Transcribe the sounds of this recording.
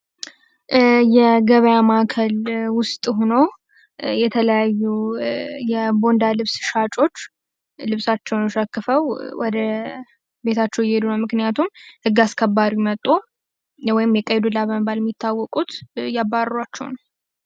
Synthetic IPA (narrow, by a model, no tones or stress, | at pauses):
jɛɡəβəjamakʰəlwʊst̪ʼhonow | jɛt̪ʰələjajːu | jɛbo̞nd̪alɨβsʃat͡ʃʼo̞t͡ʃː | lɨβsat͡ʃːɛwnʃəkːɨfəwwɔd̪ə | be̞t̪ʰat͡ʃːɛwjɛhed̪unəwmɨknɨjat̪ʰumhɨɡːaskʰəbːaɾimət̪ʼːo | wɔjɪmjɛkʼːəjɛd̪ulaβəməbalɛmːit̪ʰːawːɔkʼut̪jabːarat͡ʃːɛ̰wnəw